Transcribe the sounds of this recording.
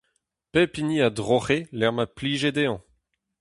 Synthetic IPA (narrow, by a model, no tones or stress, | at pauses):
pepiniad̪ʁoχelɛʁmapliːʒed̪eɑ̃